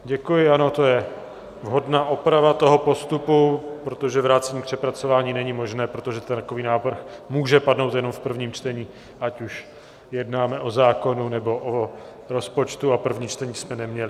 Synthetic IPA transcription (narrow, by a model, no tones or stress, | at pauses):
ɟɛkujɪano̞t̪o̞jɛ | vɦo̞dnaːʔopɾavat̪o̞ɦo̞po̞st̪upupɾo̞t̪o̞ʒɛvɾaːt͡sɛɲiːpr̝̥ɛpɾat͡so̞vaːɲiːnɛɲɪmo̞ʒnɛːpɾo̞t̪o̞ʒɛt̪ɛnt̪ako̞viːnaːvr̩xmuːʒɛpadno̞wt̪jɛno̞mfpr̩vɲiːmt͡ʃt̪ɛɲiː | ʔacuʃ | jɛdnaːmɛʔo̞zaːko̞nunɛbo̞ʔo | ɾo̞spo̞t͡ʃt̪uapr̩vɲiːt͡ʃt̪ɛɲiːsmɛnɛmɲɛlɪ